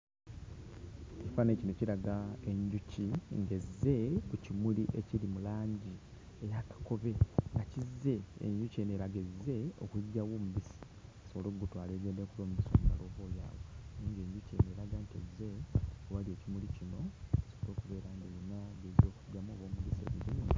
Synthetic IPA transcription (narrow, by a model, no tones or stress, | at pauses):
ifanecino̞ciɾaɡae̞ɲɟuciŋɡezːe̞kucimuliʔe̞cilimulaːɲɟi | ejakḁko̞βe̞ŋɡacizːe̞̰ːɲɟuceneɾaɡezːe̞o̞̰kweɟːawoːmuβisi̥ | soβolo̞ːɡutwaːle̞ːɡe̞ːndekuloːmubiso̞̰ːmuma̰loβoːja̰ːwoniːɲɡeɲɟuceneɾaɡantezːe̞owalieːcimulicino̞asoβolo̞ːkuβe̞ːɾaŋɡeɾinaɡezo̞ːkuɟːamoːβoːmuβisḛβiɾin